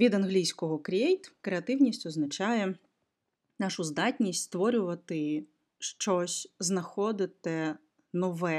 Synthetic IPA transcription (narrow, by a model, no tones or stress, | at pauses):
ʋʲid̪ɐnɦlʲijsʲkɔɦɔkɾʲɛjt̪kɾeɐt̪ɪwnʲisʲtʲɔznɐt͡ʃɑjɛ | nɑʃʊzd̪ɑtʲnʲisʲtʲst̪ʋɔɾʲʊʋɐt̪ɪ | ʃt͡ʃɔsʲznɐxɔd̪ɪt̪ɛ | nɔʋɛ